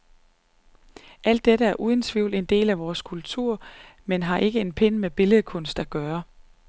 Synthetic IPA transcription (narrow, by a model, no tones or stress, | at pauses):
ʔæl̰d̥ːeɾəæɐʔuːð̞ˠn̩t͡sʰʋiʊle̝nd̥e̝̰ːlæʋɒːskʰult͡sʰuɐ̰menɦɑ̈ʔe̝ɡ̥əe̝npʰenmeb̥e̝ləðˠkʰɔ̽nsd̥æɡ̥ɶːɐ